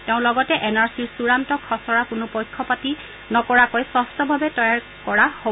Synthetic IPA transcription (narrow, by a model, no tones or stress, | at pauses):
teʊ̃lɔɡɔtɛʔɛnaɹsiɹsuɹantɔkʰɔsɔɹakʊnʊpɔjkʰːɔpati | nɔkɔɹakɔjsɔstɔbʱabɛtɔjaɹ | kɔɹaho